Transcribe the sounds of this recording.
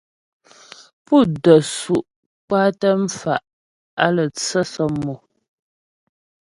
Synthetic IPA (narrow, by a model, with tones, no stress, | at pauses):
pu˦˨də˨su˨ʔ | k͡paː˦tə˦m̩˦fa˨ʔ | a˦lə˨t͡sə˦sɔ˦mo˨